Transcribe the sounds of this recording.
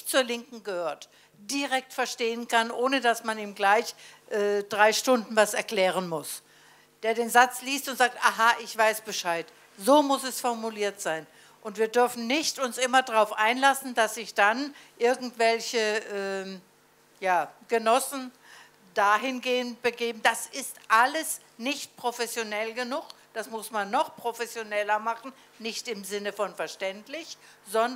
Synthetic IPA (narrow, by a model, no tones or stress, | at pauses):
t͡suːɐlɪŋkŋ̩ɡəhøːɐt | d̥iʁɛk̚tfɛɐʃteːənkʰanʔoːnədasmaniːmɡlaɪçʔɛːd̥ʁaɪʃtʊndn̩vasɛɐkl̥ɛːʁ̞ənmʊs | d̥eːɐdeːnzat͡sliːstʊntz̥aːk̚tʔaɦaʔɪçv̥aɪsb̥əʃaɪt | zoːmʊsɛsfɔɐmuliːɐtz̥aɪn | ʔʊntv̥iːɐdʏɐfn̩nɪçtʊnsʔɪmɐdʁaʊfʔaɪnlasn̩d̥asɪçd̥anʔɪɐɡŋ̩tv̥ɛlçəʔɛː | jaːɡ̥ənɔsn̩ | d̥aːɦɪnɡeːənt̚b̥əɡeːbm̩d̥asɪstʔaləs | nɪçt̚pʁ̥ofɛsjonɛlɡənʊχ | d̥asmʊsmanːɔχpʁ̥ofɛsjonɛlɐmaχn̩ | nɪçtɪmzɪnəfɔnfɛɐʃtɛntlɪç | z̥ɔn